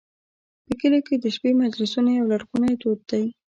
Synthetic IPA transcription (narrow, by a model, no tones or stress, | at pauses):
pəkəloked̪əʃpemad͡ʒlɪsunajawlaɽɡunad̪od̪̚d̪aj